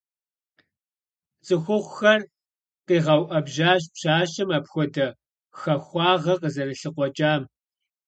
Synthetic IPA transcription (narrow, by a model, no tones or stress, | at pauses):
t͡sʼɨxʷʊʁʷxɐr | qiːʁɐwʔɐbʒaːɕ̬pɕaːɕɐmapxʷɔdɐ | xɐxʷɑːʁɐqəzɐrɨɬɨqʷɔt͡ʃʼaːm